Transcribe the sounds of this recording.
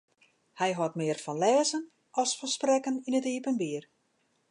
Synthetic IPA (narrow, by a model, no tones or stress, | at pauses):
hɛjɦɔtmɪːərfɔnlɛːzən | ɔlˠsfɔsprɛkəninətiːpənbiːər